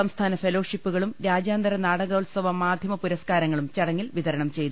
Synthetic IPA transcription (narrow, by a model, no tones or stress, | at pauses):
ɐmst̪ʰaːnɐfelo̞ːʂipːuɣɐɭumɾaːd͡ʑaːnd̪ɐɾɐnaːɽɐɣɐulsɐʋɐmːaːd̪ʱjɐmɐpuɾɐskaːɾɐŋːɐɭumt͡ɕɐɽɐŋːilʋiðɐɾɐɳɐmt͡ɕe̞jt̪u